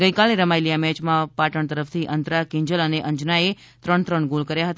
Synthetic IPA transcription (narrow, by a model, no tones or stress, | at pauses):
ɡəjkaleɾəmajlijamɛ̃t͡ʃmãpaʈəɳt̪əɾəfʰt̪ʰiʔənt̪ɾakɪ̃ɲd͡ʒələneʔəɲd͡ʒnae | t̪ɾəɳt̪ɾəɳɡolkəɾjaɦət̪a